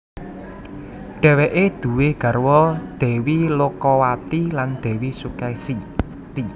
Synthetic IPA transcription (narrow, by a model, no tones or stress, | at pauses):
ɖ̪̥ɛ̤weʔed̪̥ṳwehɡ̥ä̤rwɔd̪̥ɛ̤wilokɔwat̪iland̪̥ɛ̤wisukɛsi | t̪i